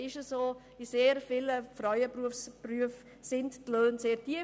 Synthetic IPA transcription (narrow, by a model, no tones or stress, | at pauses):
ɪʃəsoː | iseːɾfɪləfraʏəpruəfspryəf | sɪnttløːnseːɾtiə